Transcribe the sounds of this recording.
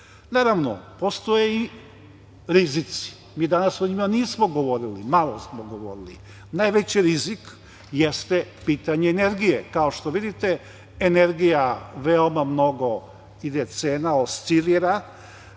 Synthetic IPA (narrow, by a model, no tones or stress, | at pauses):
naːɾaʋno̰post̪ojei | ɾizit̪si̥ | miːd̪anasoɲimaniːsmoɡo̞ʋo̞ɾilimalˠosmoɡo̞ʋo̞̰ɾilḭ | najʋet͡ɕiɾizik | jest̪epiːt̪aɲeːneɾɡijekao̞ʃt̪o̞ʋid̪it̪e | eneɾɡijaʋeomamno̞ɡo̞ | id̪et̪seːnaost̪siliɾa